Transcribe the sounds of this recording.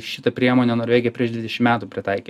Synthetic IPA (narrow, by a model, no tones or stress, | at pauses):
ʃʲɪt̪ɐpʲɾʲiɛmoːnʲeːnoːɾʲʋeːɡʲɪjɛpʲɾʲiɛʃd̪ʋʲɪd̪ʲɛʃʲɪmmʲæːt̪uːpʲɾʲɪt̪ɐɪkʲi